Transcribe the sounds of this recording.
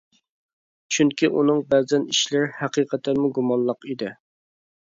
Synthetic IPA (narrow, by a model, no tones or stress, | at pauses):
t͡ʃʰyŋkʲiʔunɨŋbɛzɛniʃlɪɾhɛqiqʰət̪ʰːɛnmuɡumɑnlˠəqid̪ɪ